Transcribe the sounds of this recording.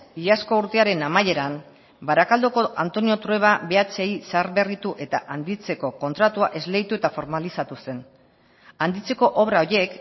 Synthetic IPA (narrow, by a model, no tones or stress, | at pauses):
iʎasko̞uɾt̪e̞aɾe̞namaje̞ɾam | baɾakald̪uko̞ʔant̪o̞nio̞t̪ɾue̞β̞aβe̞at͡se̞isaɾβe̞rit̪uʔe̞t̪a̰ʔand̪it͡se̞ko̞ko̞nt̪ɾat̪uaʔe̞zle̞ɣit̪ue̞t̪afo̞ɾmalisat̪use̞n | and̪it͡se̞ko̞ʔo̞βɾaoɾje̞k